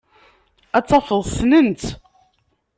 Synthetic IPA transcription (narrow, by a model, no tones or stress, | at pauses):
æt͡sːɑfəðˤsnənt̪